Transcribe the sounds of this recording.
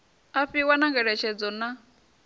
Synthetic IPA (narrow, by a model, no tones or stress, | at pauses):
aɸiwanaŋɡɛɺɛt͡ʃʰɛd͡zɔna